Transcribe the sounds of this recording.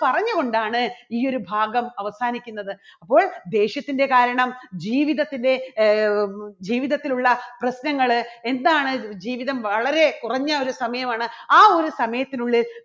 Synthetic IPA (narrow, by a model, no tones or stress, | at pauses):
pɐrɐɲːuɣo̞ɳɖaːɳɨiːo̞ɾubʱaːɡɐmɐʋɐsaːnikʲːunːɐðɨɐpːo̞ːɭd̪e̞ːɕjɐt̪ːinde̞kaːɾɐɳɐmd͡ʑiːʋiðɐt̪ːinde̞ | d͡ʑiːʋiðɐt̪ːiluɭːɐprɐɕnɐŋːɐɭe̞nd̪aːɳɨd͡ʑiːʋiðɐmʋɐɭɐɾe̞kurɐɲːɐo̞ɾusɐmɐjɐmaːɳɨaːo̞ɾusɐmɐjɐt̪ːinuɭːil